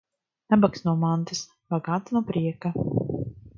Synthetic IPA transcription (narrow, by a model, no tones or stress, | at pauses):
nabaksnuɔmant̪ɨs | baɡaːt̪nuɔpɾiɛka